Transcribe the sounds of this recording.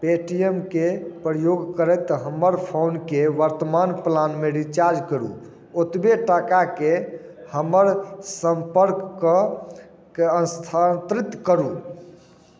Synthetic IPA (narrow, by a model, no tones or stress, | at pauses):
peʈijemkepɾəjoɡkəɾɛt̪ɦəmːəɾpʰownkeʋəɾt̪əmanplanmeɾit͡ʃaɾd͡ʒkəɾṵ | ot̪beʈakakehəməɾsəmpəɾkːə | keənst̪ʰat̪ɾit̪ːkəɾu